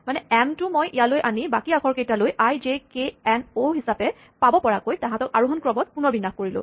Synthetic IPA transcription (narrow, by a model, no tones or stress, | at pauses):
manɛɛmtʊmojʔijalojʔanibakiakʰɔɹkejtalojʔajd͡ʒekeɛnoɦisapɛ | pabɔpɔɹakojtaɦãtɔkaɹuɦɔnkɹɔbɔt̚punɔɹbinaxkoɹilʊ̰̃